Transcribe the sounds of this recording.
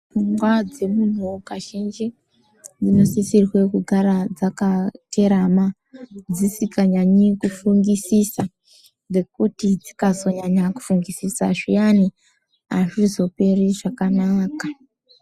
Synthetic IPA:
fuŋɡwad͡ze̞mun̤ukaʃend͡ʒe | d͡zino̞sisirwe̞kuɡʱaɾad͡zakateɾama | d͡zisikaɲaɲikufuŋɡisisa | d͡ze̞kutid͡zi̥kazo̞ɲaɲaku̥fuŋɡisisaʐijani | aʐizo̞pe̞riʐakanaːka

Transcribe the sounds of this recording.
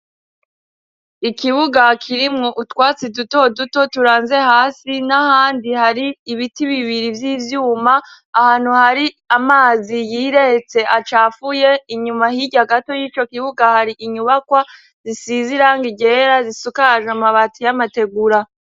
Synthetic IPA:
ikiβuɡakʰiɾimŋoʔutkwaːt͡sidutoduto̞tuɾaːnze̞haːsinahaːndihaɾiːβitiβiβiɾivjiːvjuːmaː | haːn̥huhaɾi | amaːzijiːɾe̞het͡se̞ʔat͡ʃaːfuje̞iɲumahiɟaɡato̞jit͡ʃo̞kiβuɡahaɾiʔiɲuβakwa | zisiziɾaŋɡiɟe̞ːɾazisukaaʒamaβatijamate̞ɡuɾa

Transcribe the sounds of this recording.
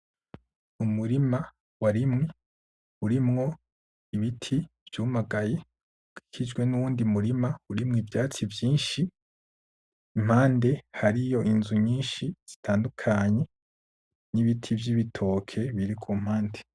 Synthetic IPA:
umuɾima | waɾimŋe | uɾimŋo̞ | iβitʰiv̥juːmaɡaje̞ | uɡ̥i̥kʰid͡ʒɡwe̞nuuːndimuɾimauɾimŋivjaːt͡sivjiːnʃi | m̥haːnde̞haɾijo̞ʔinzuɲiːnʃiz̥itʰaːndukʰaɲe̞ | niβitʰivjiβitʰo̞ːkʰe̞βiɾikʰum̥haːnde

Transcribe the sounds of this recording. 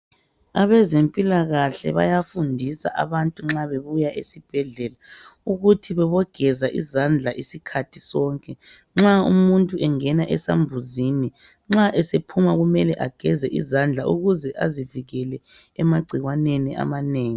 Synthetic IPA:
aβɛzempʼilaɣaɬɛ̰βa̰jafundʱisa̰ʔa̰βantʼuŋ͡ǁaβeβujaʔesib̥ʱɛɮɛlauɣutʰiβɛβɔɡ̥ʱɛzaʔḭzand͡ɮʱaʔisikʰatʰi̥sɔːŋkʼɛ | ŋ͡ǁaṵmuntʼuɛŋɛnaʔɛsa̰mbʱuzini | ŋ͡ǁaʔɛsepʰumaɣumɛlɛʔaɡ̥ʱɛzɛʔḭzand͡ɮʱaʔuɣuzɛʔaziviɣɛlɛ | ɛmaɡ͡ǀʱiɣwanenia̰maneːŋi

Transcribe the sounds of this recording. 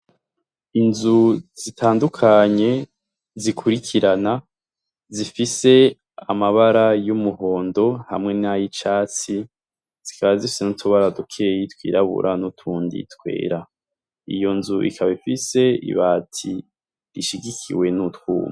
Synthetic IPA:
inzuz̥itʰaːndukʰaɲe̞ | zikʰuɾikʰiɾana | zifise̞ | amaβaɾajumuho̞ːndo̞ha̰mŋe̞najit͡ʃaːt͡si | z̥ikaβazifi̥senutʰuβaɾadukʰejitkwḭːɾaβṵɾʔanutʰuːndḭtkwe̞̰ːɾa | ḭjo̞nzuʔḭkʰaβaifise̞ḭβaːtʰi | ɾiʃiɡikʰḭwe̞nutkuːma

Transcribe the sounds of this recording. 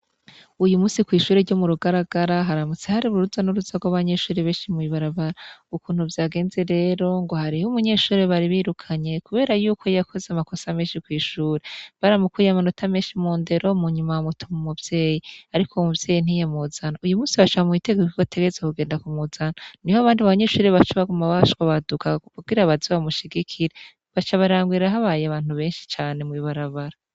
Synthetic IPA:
ujumuːsikwiːʃuːɾeɾɟomuɾuɡaɾaɡ̥aɾaɦaɾamut͡sehaɾiβuɾuzanuɾuzaɡwaβaɲe̞ːʃuːɾeβeːʃimwiβaɾaβaɾaukuːn̥huvjaːɡe̞ːnze̞ɾe̞ːɾo̞ŋɡo̞haɾihumuɲe̞ːʃuːɾeβaɾiβiːɾukʰaɲe̞kuβe̞ːɾajuːkʰo̞jakʰo̞zeamako̞same̞ːnʃikwiːʃuːɾeβaɾamukuːjamanotʰameːnʃimuːnde̞ɾo̞muɲumawamutʰumumubje̞ːjiaɾikʰomubje̞ːjin̥ijemuzanaujumuːsiβaʃoβamwite̞ɡeiɡotʰe̞ɡezekuɡe̞ːndakumuzananihoaβaːndiβaβaɲe̞ːʃuːɾeβat͡ʃuβaɡumawaʃɡwaβadukakuɡɡiɾaβaziβamuʃiɡikʰiɾe | βat͡ʃaβaɾaːŋɡwiɾaɦaβaːjeaβaːn̥uβe̞ːnʃi̥t͡ʃaːne̞mŋiβaɾaβaɾa

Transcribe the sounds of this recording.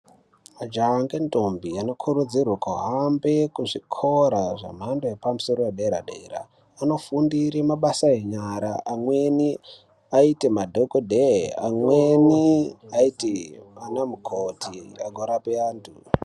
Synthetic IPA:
mad͡ʒaŋɡentombiano̞kʰuɾud͡zirwakuɦambekuʐikʰo̞ɾaʐa̰m̤andoepamuso̞ɾojeɗaeɾaɗeera̰ | ano̞fundiɾemaɓasaeɲaɾaʔamwe̞ni | aitemadʱokodʱea̰mweniaitemanamukʰotʰia̰ɡʱoɾapeaːntṵ

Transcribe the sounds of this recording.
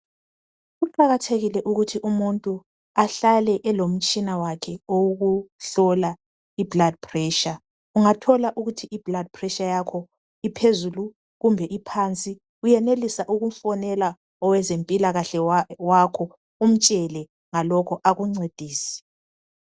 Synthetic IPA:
ɣuǃaɣatʰeɣilɛʔuɣutʰiʔumuntʼu | aɬalɛʔɛlom̩t͡ʃʼinawakʰɛoɣuɬɔla | iblad̥̚pʰrɛːʃa | uŋatʰɔlaʔuɣutʰiiblad̥̚pʰrɛʃajakʰɔ | ipʰezulu | ɣumbʱɛʔipʰant͡sʼi | ɣujɛnelisaʔuɣum̩fɔnɛla | ɔwɛzempʼilaɣaɬɛwakʰɔ | um̩t͡ʃʼɛlɛ | ŋalɔkʰɔʔaɣuŋ͡ǀed̥ʱiːsi̥

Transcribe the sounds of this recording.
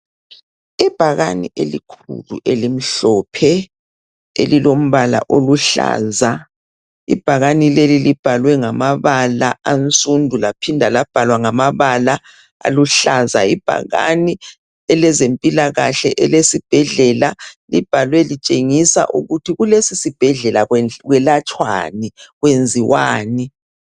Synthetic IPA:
ɛb̥ʱaɣanḭʔelikʰṵlṵʔelim̩ɬɔpʰɛ | ḛlilom̩βala̰ʔoluɬa̰ːza | ḭb̥ʱaɣanilelilib̥ʱalwɛŋamaβalaant͡sʼundʱulapʰindʱalab̥ʱalwaŋamaβala | a̰luɬaza̰ib̥ʱa̰ɣa̰ni | ɛlɛzempʼilaɣaɬɛʔɛlesib̥ʱɛɮɛlalib̥ʱalwɛlit͡ʃʼeŋisa̰ʔṵɣutʰiɣulesisib̥ʱɛɮɛlaɣwɛlat͡ʃʼwa̰niɣwend͡zʱiwaːni

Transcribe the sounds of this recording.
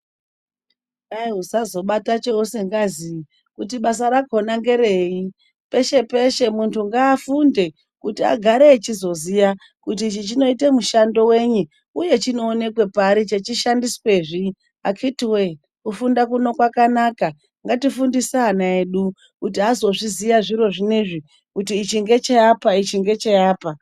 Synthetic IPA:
aiɦusazo̞ɓatat͡ʃeose̞ŋɡazi | kutiɓas̬aɾaɡʱonaŋɡe̞ɾe̞ːi | pe̞ʃe̞pe̞ʃe̞muntʰuŋɡaːfunde̞ | kutia̰ɡʱaɾeːt͡ʃizo̞zija | kut̬it͡ʃit͡ʃino̞ite̞muʃando̞we̞ɲu | uje̞t͡ʃino̞ːne̞kwe̞paɾit͡ʃe̞t͡ʃiʃandiswe̞ːʐi | a̰kʰitwe | kufundak̬uno̞kwakanaka | ŋɡatifundisaanaeɗu | kutiazo̞ʐizijaʐiɾo̞ʐiniʐi | kutiːt͡ʃiŋɡe̞t͡ʃejapait͡ʃiŋɡe̞t͡ʃejaːpa

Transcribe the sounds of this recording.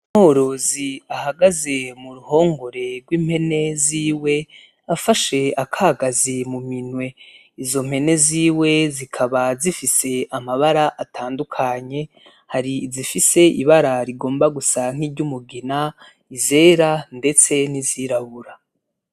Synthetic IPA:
m̥hoɾo̞ziahaɡaze̞muɾuho̞ːŋɡoɾe̞ɾɡwiːm̥he̞ne̞ziːwe̞ | afaʃe̞akʰaɡazimuminwe̞ | izo̞m̥he̞ne̞ziːwe̞zikʰaβazifise̞amaβaɾaʔatʰaːndukʰaɲe̞ | haɾiːzifise̞ḭβaɾaɾiɡo̞ːmbaɡusaŋ̥hiːɾɟumuɡina | ize̞ːɾande̞t͡se̞niziːɾaβuɾa

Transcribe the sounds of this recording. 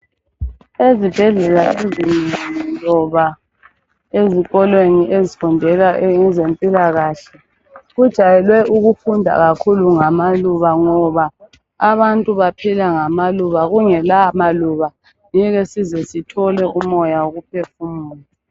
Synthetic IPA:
ezib̥ʱɛɮɛlaezinlɔβa | eziɣɔlweniʔezifundʱɛlaŋɛzempʼilaɣaːɬɛ | ɣud̥ʒ̥ʱajɛlwɛʔuɣufundʱa̰ɣakʰuluŋamaluβaŋɔβa | aβantʼuβapʰilaŋamaluβaɣuŋɛlamaluβa | ɲɛɣɛsizɛsitʰɔlɛumɔjaoɣupʰefumuːlɛ

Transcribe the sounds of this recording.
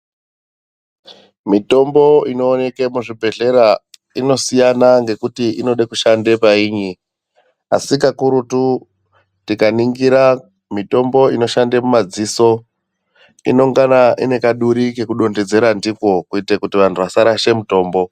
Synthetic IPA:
mito̞mbo̞ino̞ːne̞kemuʐibʱe̞ɮe̞ɾa | ino̞sijanaŋɡe̞kutiʔino̞ɗekuʃande̞paiːɲi | a̰sikakuɾutu | tikaniŋɡiɾa | mito̞mbo̞ino̞ʃandemumad͡ziso̞ | ḭno̞ŋɡanaʔine̞kaɗuɾike̞kuɗo̞nded͡ze̞ɾandiko̞kuitekutiʋan̤uʋasaɾaʃe̞muto̞ːmbo̞

